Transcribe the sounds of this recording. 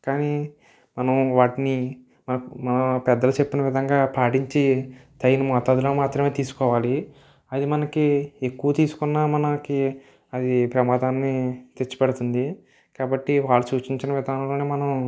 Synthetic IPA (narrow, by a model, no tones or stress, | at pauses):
kaːniː | mɐnɐmʋaːʈini | mɐnɐmɐnɐpɛd̪ːɐlɐt͡ʃe̞pːinɐʋid̪ʱɐŋɡaːpaːʈiɲt͡ʃit̪ɐjnɐmɔːt̪aːd̪uloːmaːt̪ɾɐme̞ːt̪iːsu̥kɔːʋaːli | ɐd̪imɐnɐkie̞kːuʋɐt̪iːsu̥kunːaːmɐnɐki | ɐd̪ipɾɐmaːd̪aːnːit̪et͡ʃːu̥pɛɽut̪und̪i | kaːbɐʈːiʋaːɭːɐt͡ʃuːt͡ʃiɲt͡ʃinɐʋid̪ʱanloːneːmɐnɐm